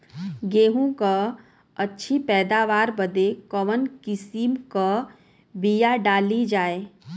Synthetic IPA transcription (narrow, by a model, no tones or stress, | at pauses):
ɡeːɦũka | ɐtːʃʰipɛːd̪aːʋaːɾbəd̪ekɔʋənkɪsimka | bijaɖaːlid͡ʒaːeː